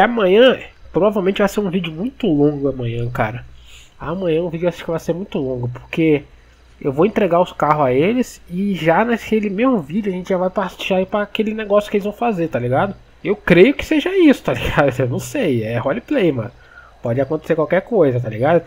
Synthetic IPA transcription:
amɐ̃ɲ̃ɐ̃pɾovavewmẽt͡ʃɪvajseɾũvid͡ʒɪʊmũj̃t̪ʊlõɡʊɐmɐ̃ɲ̃ɐ̃kaɾɐamɐ̃ɲ̃ɐ̃ũvid͡ʒʊaʃʃkɪvajseɾmũj̃t̪ʊlõɡʊpoɾke | ewvowẽnt̪ɾeɡaɾʊskaɦʊzaelɪsɪʒanakelɪmezmʊvid͡ʒʊɐʒẽnt͡ʃɪʒavajpasʒaipɾɐkelɪneɡɔsjʊkɪelɪzvɐ̃w̃fazeɾt̪aliɡad̪ʊ | ewkɾejʊkɪ̥seʒɐisʊ̥t̪aliɡad̪ewnɐ̃w̃sejɛhɔliplejmɐ̰̃n | pɔd͡ʒɪakõt̪eseɾkwawkɛɾkojzɐt̪̬alḭɡad̪ʊ

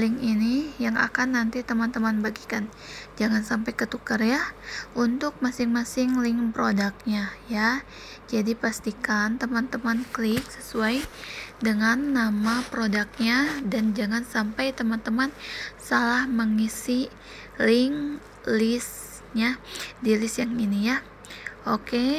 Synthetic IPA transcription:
lɪŋinijaŋa̰kanːant̪it̪əmant̪əmanbaɡikan | d͡ʒaŋansampajkət̪ukərjaʔunt̪ʊk̚masɪŋmasɪŋlɪŋpɾodak̚ɲaja | d͡ʒadipast̪ikant̪əmant̪əmanklɪk̚səsuajdəŋanːamapɾodak̚ɲadand͡ʒaŋansampajt̪əmant̪əmansalahməŋisi | lɪŋ | lɪs | ɲadilɪsjaŋinija | ʔoke

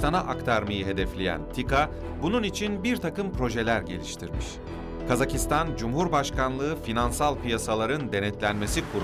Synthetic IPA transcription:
t̪ʰanaʔakt̪ʰaɾmajɯɦe̞d̪ɛflʲejæ̰nt̪ʰika | bununit͡ʃʰinbiɾt̪ʰakɯmpɾo̞ʒe̞lʲæɾɟe̞̰lʲiʃt̪ʰiɾmiʃ | kʰazacist̪ʰand͡ʒumɦuɾbaʃkanlˠɯɯfinansalˠpijasalˠaɾɯnd̪e̞nɛt̪lʲænme̞sikʰuɾ

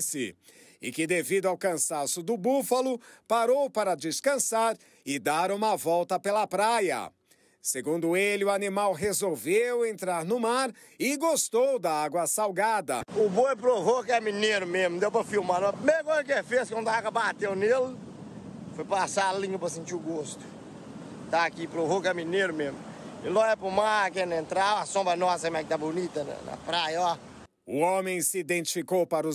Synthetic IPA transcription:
sɪ̰ | ɪkɪd̪evid̪ʊawkɐ̃sasʊd̪ʊbufɐlʊpaɾowpaɾɐd͡ʒɪskɐ̃saɾ | ɪd̪aɾũmɐvɔwt̪ɐpelɐpɾajɐ̰ | seɡũnd̪ʊelɪʊanimawɦezowvewẽnt̪ɾaɾnʊmaɾ | ɪɡost̪owd̪ɐaɡwɐsawɡad̪ɐ̰ʊbojpɾovokɛmineɾʊmẽzmʊd̪ewpɾɐfiwmaɾñɐpɾimeɾɐkõzɐk̬efeskwɐ̃nd̪aaɡwɐbat̪ewnelɪ | fojpasaalĩɲɐpɾɐs̬ẽnt͡ʃiʊɡost̪ʊ̥ | t̪aːkipɾovokɛmineɾʊmẽzmʊɪlɔɛpɾʊmaɾakẽnẽnt̪ɾawasõmbɾɐnɔsɐkmɛk̚ɪt̪abʊnit̪ɐnɐ̰nɐ̰pɾajɐɔ | ʊõmẽj̃sɪid̪ẽnt͡ʃi̥fikowpaɾʊ

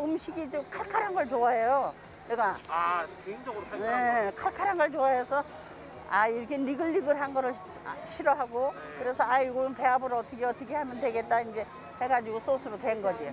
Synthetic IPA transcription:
ɯmɕʰiɡit͡ɕomkʰaɭkʰaɾanɡʌɭt͡ɕoaɦejo | eɡaa | eind͡ʑʌɡɯɾokʰaekʰaɭkʰaɾɦanɡʌɭt͡ɕoaesʰʌ | aiɾʌkʰeniɡɯʎːiɡɯɾɦanɡʌɾɯɭ | ɕʰiɾʌɦaɡo | kɯɾe̞sʰʌaɡoɯnpe̞abɯɾʌt͈ʌkʰeʌt͈ʌkʰe̞hamjʌndwe̞ɡe̞t̚t͈aind͡ʑe̞ | heɡad͡ʑiɡos͈ʰosʰɯɾotwenɡʌd͡ʑi

